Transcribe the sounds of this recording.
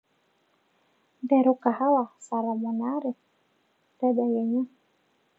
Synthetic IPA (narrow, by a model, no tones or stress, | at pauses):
dɛɾukahawasaɾamanaɾi | d̪ɛbajaɲa